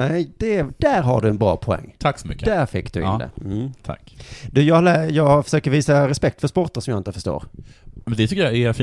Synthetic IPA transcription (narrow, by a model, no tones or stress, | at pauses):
nɛɪd̪̥ɛd̪̥æɾɦa̰ɖɵɛnbɾɑ̰ːpʰɔɛ̰ŋːt̪ʰaksɔmʏ̰kːəd̪æɾfɪkːd̪̥ɵɪt̪ːə̰m̩t̪ʰa̰kːd̪ʉːjɑːlɛjɑːɡfœ̥ʂøːkəɾviːsaɾɛspɛk̚t̪fœʂspɔʈ̪əɾsɔmjaːɪnt̪əfœʂʈo̰ːɾmɛnd̪ɛt̪ʰʏkːəjɑɛfi